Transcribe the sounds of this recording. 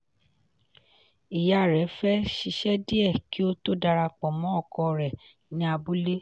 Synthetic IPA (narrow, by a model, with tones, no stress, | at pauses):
i˨ja˨ɾɛ˨˦fɛ˦ʃi˧ʃɛ˦di˦ɛ˦˨ki˨˦o˦to˦˨da˧ɾa˧k͡pɔ˨mɔ̃˨˦ɔ˦˨kɔ˧ɾɛ˨ | nĩ˦a˧bu˦le˦